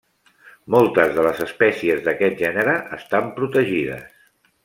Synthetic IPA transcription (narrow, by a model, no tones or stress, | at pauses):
mɔlˠt̪əzðələzəspɛsiəzðəkɛt̪̚ʒɛnəɾəʔːst̪ampɾut̪əʒiðə̰s